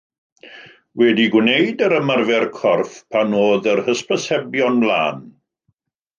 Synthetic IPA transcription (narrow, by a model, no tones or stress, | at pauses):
wɛdiɡwnejdəɾəmarvɛrkʰɔrfpʰanoːðərhəspəsɛbjɔnblˠa̰ːn